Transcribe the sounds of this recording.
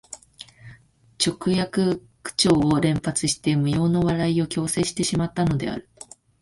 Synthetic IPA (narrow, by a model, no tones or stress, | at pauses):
t͡ɕo̞kɯ̟jakɯ̟ | kɯ̥t͡ɕo̞ːɾẽ̞mpat͡sɨɕi̥t̪e̞mɯ̟jo̞ːno̞βaɾaio̞kʲo̞ːse̞ːɕi̥t̪e̞ɕimat̪ːano̞d̪e̞̰a̰ɾɯ̟